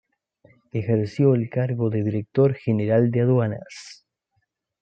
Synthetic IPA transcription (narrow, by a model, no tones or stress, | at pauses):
exeɾsjoelkaɾɣoðeðiɾek̚t̪oɾxeneɾald̪eaðwana̰s